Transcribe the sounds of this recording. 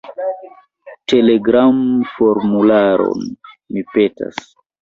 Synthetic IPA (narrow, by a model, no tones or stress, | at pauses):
te̞leɡɾamfo̞ɾmulaɾo̰n | mipe̞ta̰s